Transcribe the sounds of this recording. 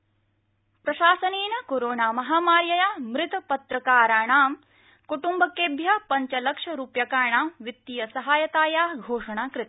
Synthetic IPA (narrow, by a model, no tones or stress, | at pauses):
pɾɐʃaːsɐniːnɐkoːɾoːɳaːmɐɦaːmaːɾjɐjaːmɾɪt̪ɐpɐt̪ɾɐkaːɾaːɳaːm | kuʈumbɐkeːbʱjɐpɐɲt͡ʃɐlɐkʂɐɾuːpjɐkaːɳaːmʋit̪ːijɐsɐɦaːjɐt̪aːjaːɡʱoːʂɐɳaːkɾɪt̪